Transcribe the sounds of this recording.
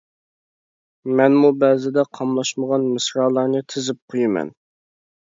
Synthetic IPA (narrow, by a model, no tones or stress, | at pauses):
mɛnmubɛzɪd̪ɛqʰɑmlˠɑʃməʁɑnmɨsɾɑːlˠɑɾnɨt̪ʰɪzɪp̚qʰojɪmɛ̰n